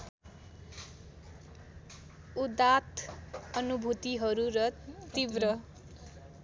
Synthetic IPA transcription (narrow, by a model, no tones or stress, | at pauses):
ud̪at̪ʌnubʱut̪iɦʌɾuɾʌt̪ibɾʌ